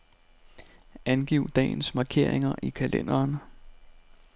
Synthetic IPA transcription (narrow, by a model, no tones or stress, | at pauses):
ʔænɡ̥iʊd̥ɛ̰ːɪnsmɑ̈ːkʰe̝ɐ̰e̝ŋɐʔikʰælḛn̰ɐːn